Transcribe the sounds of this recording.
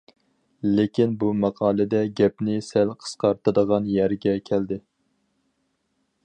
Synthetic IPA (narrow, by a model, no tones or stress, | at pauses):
lekʲinbumɑqʰɑːlˠɨd̪ɛɡʲɛpnɪsælqʰə̥sqɑɾt̪ʰɨd̪əʁɑnjæɾɡʲɛkʲʰæld̪ɪ